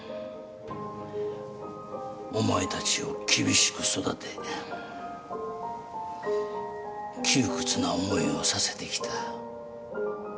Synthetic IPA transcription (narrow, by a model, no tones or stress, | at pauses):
o̞maet̪at͡ɕio̞kʲibʲiɕi̥kɯ̟so̞d̪at̪ʰe̞ | kʲɨːkɯ̟̥t͡sɨnaomo̞io̞sase̞̥t̪e̞kʲi̥t̪ʰa